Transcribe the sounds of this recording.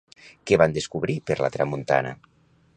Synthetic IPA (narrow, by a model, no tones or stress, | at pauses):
keβand̪eskuβɾipeɾla̰t̪ɾamunt̪a̰na̰